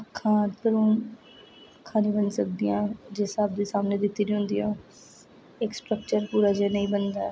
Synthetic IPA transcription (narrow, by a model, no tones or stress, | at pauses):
əkʰːãːt̪əɾũː | kʰaːnĩːbənsəkd̪ijãːd͡ʒeːsaːb̚d̪eːsaːmneːd̪ɪt̪ːiːɾiːɦʊ̃nd̪iːõː | ɪksʈɾək̚t͡ʃəɾpuːɾaːd͡ʒeːnəĩːbənd̪aːɛː